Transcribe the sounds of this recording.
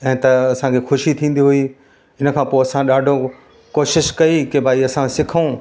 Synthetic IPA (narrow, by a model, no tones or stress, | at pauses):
ɛ̃ːt̪ɐɐsãkʰexʊʃit̪ʰĩːn̆d̪iɦʊi | ɪnə̆kʰãːpoːɐsãɗaːɖʱo | koːʃɪʃkɐikɪbʱaːiɐsãsɪkʰũ